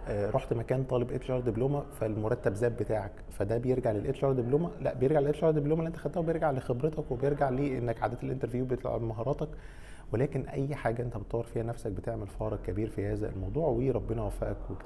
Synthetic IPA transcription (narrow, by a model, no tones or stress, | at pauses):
ʔɾˤoħt̪mækæːnt̪ˤɑːlebʔet̪lʃɑːɾˤd̪ibloːmæfælmoɾˤɑt̪ːæbzæːbːet̪aːʕækfæd̪æbejeɾɡaʕlelʔet̪lʃɑːɾˤd̪ibloːmælæʔbejeɾɡaʕlelʔet̪lʃɑɾˤd̪ebloːmælːiʔent̪æxæd̪ːæːhobjeɾɡaʕlexebɾet̪ɑkwebejeɾɡaʕliːʔenːækʕa̰d̪eːt̪elʔḛnt̪eɾvjuːbejet̪l̰ʕmɑɦɑːɾˤɑːt̪ɑk | welæːkenʔæjːħaːɡæʔent̪æbet̪ːˤɑwːɾfiːhænæfsæk̚bet̪eʕmelfɑːɾˤɑɡ̚kːæbiːɾfihæːzæḛlmɑwd̪ˤuːʕwiːɾˤɑbːenɑwæfæ̰ʔækwe